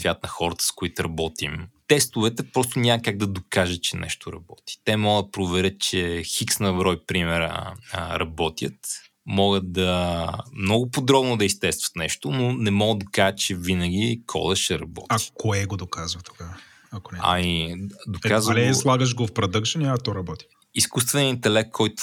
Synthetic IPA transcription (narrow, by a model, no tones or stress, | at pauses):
svʲjat̪nɐxɔɾət̪ə̥skʊit̪ʊɾɐbɔt̪imt̪ɛst̪ʊvɛt̪ɛpɾɔs̬t̪onʲamɐkaɡ̚d̪ɐd̪okaʒət̪̚t͡ʃɛnʔɛ̰ʃt̪oɾɐ̰bɔ̰t̪i̥t̪ɛmɔɡəd̪̚pɾovɛɾʲət̪̚t͡ʃɛxiksnɐbɾɔjpɾimɛɾə̰əɾɐbɔt̪ʲjət̪ | mɔɡət̪̚d̪ɐmnɔɡʊpod̪ɾɔbnʊd̪ɐist̪ɛst̪vɐ̥t̪nɛʃt̪ʊnonɛmɔɡəd̪d̪okaʒət̪t͡ʃɛvinəɡ̟ʲikʰɔ̰d̪ɐʃɛɾɐbɔ̰t̪aikoɛɡod̪okazvɐt̪o̥ɡa | ɐkonɛɐ̰mid̪okazvəɛzlˠaɡəʒɡofpɾɐd̪əkʃəniɐt̪ɔɾɐbɔt̪i̥ | iskust̪vɛnʲiəint̪ɛlɛkt̪kʰɔjt̪ʊ̥